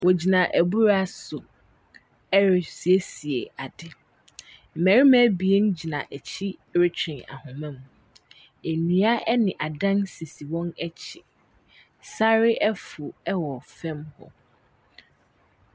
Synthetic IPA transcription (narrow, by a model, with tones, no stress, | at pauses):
wɔ˨d͡ʑi˨nã˨ʔæ˨bu˦ɾa˦sʊ˨ | ɛ˦ɾɪ˨si˨e˦si˨ḛ˨a˨dɪ˦ | m̩˨mæ˨ɾi˦mɛ̃˦bi˨e˦n˦d͡ʑi˨nã̰˨ʔæ˨t͡ɕʰi˦ɾɪ˦t͡ɕʰᶣɪ̃˨na̰˨hʊ̃˨mɛ̃˦m | e˨nũ˦a˦ʔɛ˦nɪ̃˨ʔa˨dã˦nse˨si˨wɔ̃˦nɛ˦t͡ɕʰɪ˨ | sa˦ɾɪ˦ʔɛ˦fʊ˨ɛ˦wɔ˨fɛ̃˦mhɔ̰˨